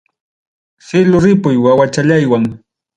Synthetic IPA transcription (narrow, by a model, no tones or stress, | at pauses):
sɪlʊɾɪpʊjwawat͡ʃaʎajwaŋ